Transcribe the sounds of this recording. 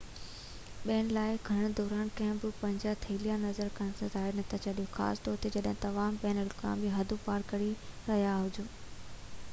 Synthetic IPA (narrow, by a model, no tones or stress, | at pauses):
ɓeːnlaːɪɡʱɐɽ̃d̪ɔːɾaːnkɐ̃ɦɪ̃mbɪpɐ̃ɲd͡ʑat̪ʰɐɪlijanɐzəɾkɐñsɐzaːɪɾnɐt̪ʰat͡ɕɐɗijõxa̰ːsd̪ɔːɾt̪ʰed͡ʑɐɗɦɪ̃t̪ɐʋaːmbɛːnəlkʰã̰bʱɪɦɐd̪ʱupaːɾkɐɽiɾɐɦjaɦʊd͡ʑoː